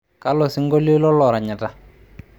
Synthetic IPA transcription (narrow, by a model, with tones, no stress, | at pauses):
ka˦lɔ˨sɪ˦ŋɡo˦li˦lɔ˦lɔ˨ɾa˨ɲa˨ta˨